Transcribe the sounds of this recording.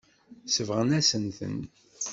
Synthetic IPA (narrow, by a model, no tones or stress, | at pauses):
səvʁənæsənθə̰n